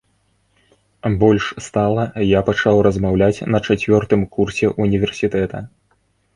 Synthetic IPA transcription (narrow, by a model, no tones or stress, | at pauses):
bɔlʲʂst̪alˠɐjapat͡ʂawrɐzmawlʲat͡sʲnɐt͡ʂat͡sʲvʲɔrt̪ɨmkursʲɛʔunʲivʲɛrsʲit̪ɛt̪ɐ̰